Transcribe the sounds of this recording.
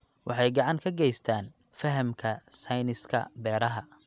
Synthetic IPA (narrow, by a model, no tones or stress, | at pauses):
wʔɑ̰ħɑjɡɑʕɑŋkʰɐɡɛjst̪ʰaːn | fɐɦɐmkʰɐsɐjnɪskʰɐ̰bɛːɾɐɦɐ